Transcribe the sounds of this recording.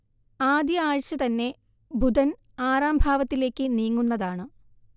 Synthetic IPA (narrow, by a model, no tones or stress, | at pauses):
aːd̪jɐaːɻɕɐt̪ɐnːe̞ | bʱud̪ɐn | aːraːmbʱaːʋɐt̪ːile̞ːkːɨniːŋːunːɐðaːɳɨ